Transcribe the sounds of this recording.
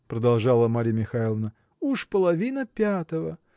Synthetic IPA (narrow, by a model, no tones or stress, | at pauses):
pɾəd̪ɐlˠʐɑlˠəmaɾʲijmʲɪxailˠəvnə | uʂpəlˠɐvʲinəpʲat̪əvə